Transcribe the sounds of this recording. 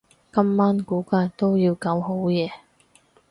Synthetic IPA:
kɐ˥mːaː˥nkuː˨˥kaː˧jt̪o˥wjiː˧wka˧wɦo˨˥wjɛː˨˧

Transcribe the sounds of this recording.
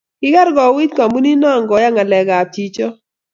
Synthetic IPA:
ɪ˦ɡa˦ɾɡɔ˨wi˦t̪ka˨mbu˦ni˦nɔ˦˨ŋɡɔ˨ja˦ŋa˨lɛ˨ɡa˨ti˦t͡ʃɔ˦

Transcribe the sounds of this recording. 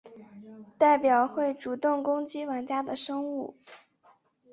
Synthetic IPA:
t̪a˥˩ɪpjɑ˨˩ʊxwe˥˩ɪʈ͡ʂu˨˩t̪ʊ˥˩ŋkʊ˥ŋt͡ɕi˥wa˧˥nt͡ɕja˥d̪ə˨ʂɤ˥ŋu˥˩

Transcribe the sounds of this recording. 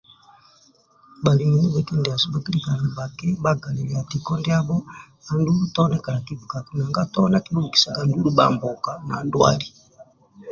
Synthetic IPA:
ba˨li˨mi˨ni˦bɛki˦ndɛ˨a˨su˦ba˨ki˦lika˨na˨ba˨kɛ˦baɡa˨lɛ˨lɛa˨ti˨kɔ˦ndɛa˦bɔ˦ | a˨ndu˦u˦tɔnɛka˨na˨kivu˨ka˨ku˨na˨ŋɡa˦tɔ˦na˦ki˦lu˦˨ki̥˨sa˨ɡa˨ndu˦luɓa̰mbɔ˨ka˨na̰˨ndwa̰˦li˨

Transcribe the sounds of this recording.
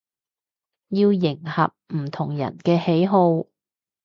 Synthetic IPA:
jiː˧wjɪ˨˩ŋhɐ̰˨p̚m̩˨˩t̪ʰʊ˨˩ŋjɐ̰˨˩nkɛː˧he˨˥jɦo˧w

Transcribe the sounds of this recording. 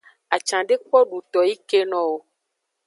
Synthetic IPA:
a˨t͡ʃã˨ɖe˦k͡pɔ˦ɖu˨t̪ɔ˨ji˦ke˦nɔ̃˨wo˦

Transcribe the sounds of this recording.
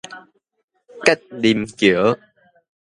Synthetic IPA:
ka˦˥jk̚ɗi˨˩mt͡ɕɨ˧˩˦ə

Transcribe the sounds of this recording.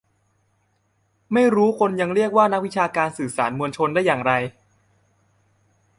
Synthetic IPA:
ma˥˩jɾuː˦˥kʰo˧nja˧ŋɾi˥˩ək̚waː˥˩na˦˥k̚wi˦˥t͡ɕʰaː˧kaː˧nsɯː˨˩saː˩˦nmu˧ənt͡ɕʰo˧nda˥˩jːaː˨˩ŋɾa˧j

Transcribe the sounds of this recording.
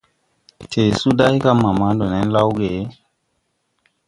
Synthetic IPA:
tʰe˨su˦da˦jka˦mːa˨ma˦do˨nɛ˦nla˦wɡe˨˦

